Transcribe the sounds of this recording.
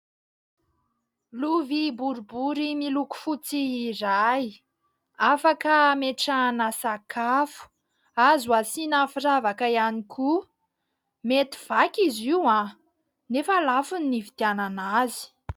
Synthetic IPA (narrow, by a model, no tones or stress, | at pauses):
luvibuɾubuɾimiluku̥fut͡siːraj | afakəmeʈ͡ʂanasakʰafu̥ | azuasinafiravakaianikʰu | met̪i̥v̥akʲiziwã | nefalafunːivit̪iananazi̥